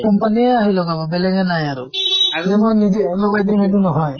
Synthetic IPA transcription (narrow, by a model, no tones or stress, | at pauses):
kɔmpanieaɦilɔɡababelɛɡɛnajaɾud͡ʒɛmɔnid͡ʒeʔlɔɡajd̪imitunɔɦɔj